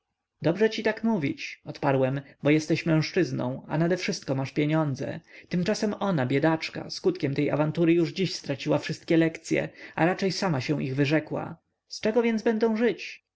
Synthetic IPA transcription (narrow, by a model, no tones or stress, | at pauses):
d̪ɔbʐɛt͡ɕit̪akmuvʲḭt͡ɕɔt̪paɾwɛmbɔjɛst̪ɛɕmɛ̃w̃ʂt͡ʂɘznɔ̰̃w̃anad̪ɛfʂɘst̪̚kɔmaʂpʲjeɲɔnd̪zɛ̰t̪ɘmt͡ʂasɛmɔnabʲjɛd̪at͡ʂka̰skut̪kʲɛmt̪ɛja̰vant̪uɾɘjuʐd͡ʑiɕst̪ɾat͡ɕiwafʂɘst̪̚kʲjɛlɛkt̪sʲjɛ̰a̰ɾat͡ʂɛjsamaɕɛ̃ʔiɣvɘʐɛkwa̰ | st͡ʂɛɡɔvʲjɛndzbɛnd̪ɔ̃w̃ʐɘt͡ɕ